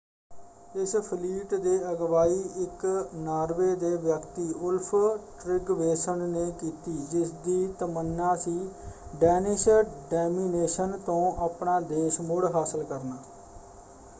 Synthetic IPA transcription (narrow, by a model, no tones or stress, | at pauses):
ɪspʰəliːʈd̪eːəɡʋaːiːʔɪknaːɾʋeːd̪eːʋjəkt̪iːʔʊlpʰʈɾɪɡʋeːsəɳneːkiːt̪iːd͡ʒɪsd̪iːt̪əmənːãːsiːɖɛːnɪʃɖɛːmiːneːʃənt̪õːʔaːpɳaːd̪eːʃmʊɽɦaːsəlkəɾnaː